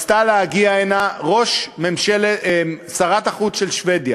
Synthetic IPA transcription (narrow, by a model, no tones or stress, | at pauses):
st̪aleaɡiaenaʁo̞ʃmemʃelesaʁat̪aχut͡sʃelʃved̪ja